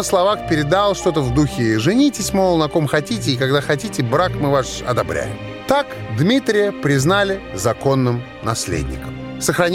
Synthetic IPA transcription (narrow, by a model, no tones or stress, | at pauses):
əslˠɐvaxpʲɪɾʲɪd̪alˠʂt̪o̞t̪əvd̪uxʲɪʐɨnʲitʲɪsʲmolˠnɐko̞mxɐtʲitʲɪːkaɡd̪axɐtʲitʲɪbɾakmɨvaʂɐ̰d̪ɐbɾʲʔæ̰jɪ̰m | t̪ak | d̪mʲit̪ɾʲɪjəpɾʲɪznalʲɪzɐko̞nːɨm | nɐsʲlʲḛdʲnʲɪ̰kəm | səxɾɐnʲ